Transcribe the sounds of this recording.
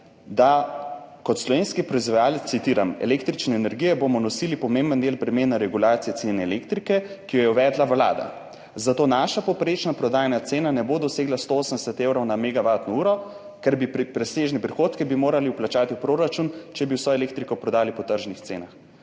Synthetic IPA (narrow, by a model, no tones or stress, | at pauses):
d̪a | kɔt̪slɔʋeːnskipɾɔizʋajaːləsit̪iːɾamɛ̰lekt̪ɾit͡ʃnɛːnɛɾɡijɛbomɔnɔsilipɔmembənd̪eːlpɾɛmeːnaɾɛɡulaːt̪sijɛt̪senɛːlekt̪ɾikɛkijɔjɛuʋɛːd̪laʋla̰ːd̪a̰ | zat̪oːnaʃapɔwpɾet͡ʃnapɾɔd̪aːjanat̪seːnanɛbod̪ɔseːɡlast̪ooːsəmnd̪ɛsɛt̪ewɾɔwnamɛɡaʋat̪nɔuːɾɔ | kɛɾbipɾipɾɛseːʒnɛpɾixoːt̪kibimoːɾaliuplat͡ʃaːt̪iupɾoɾat͡ʃunt͡ʃɛbiwsɔɛleːk̚t̪ɾikɔpɾɔd̪aːlipɔt̪əɾʒnixt̪sḛːnax